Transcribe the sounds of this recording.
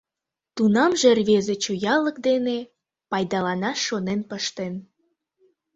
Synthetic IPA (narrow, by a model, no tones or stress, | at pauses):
t̪unɑmʒerβezet͡ɕujɑləkd̪ene | pɑjd̪ɑlɑnɑʃonenpəʃt̪en